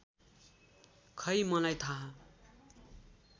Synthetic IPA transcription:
kʰʌjmʌlajt̪ʰaɦʌ

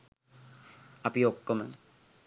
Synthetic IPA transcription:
apiokːomḛ

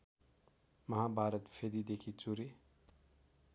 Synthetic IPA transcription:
mʌɦabʱaɾʌt̪pʰed̪id̪ekʰit͡suɾi

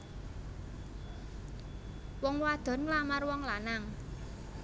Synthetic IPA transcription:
wɔŋwad̪̥ɔ̤nŋlamarwɔŋlanaŋ

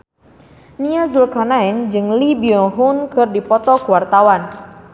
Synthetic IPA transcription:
niazulkanaɛnd͡ʒɨŋlibiɔɦunkɨrdipɔt̪ɔkuwart̪awan

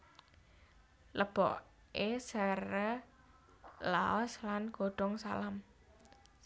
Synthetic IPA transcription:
ləb̥ɔ̰ʔ | esərə | laɔslanɡ̥o̤ɖ̥ɔŋsa̰lam

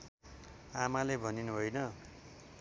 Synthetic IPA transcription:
amalebʱʌninuɦojnʌ

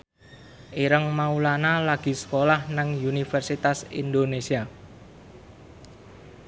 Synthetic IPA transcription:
ʔiɾəŋmaulanalaɡ̥i̤sə̥kolahnaŋunifɛrsit̪asḭnd̪onesia

